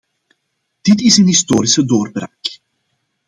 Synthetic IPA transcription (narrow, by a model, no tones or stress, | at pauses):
d̥ɪtɪsənɦistoːɾisədoːrbraːk